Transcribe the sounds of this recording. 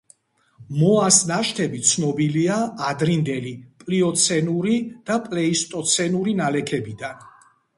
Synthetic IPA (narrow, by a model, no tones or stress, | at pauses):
mɔasnaʃt̪ʰɛbit̪sʰnɔbiliaːd̪ɾind̪ɛlipʼliɔt̪sʰɛnuɾid̪̥apʼlɛist̪ʼɔt̪sʰɛnuɾinalɛkʰɛbid̪an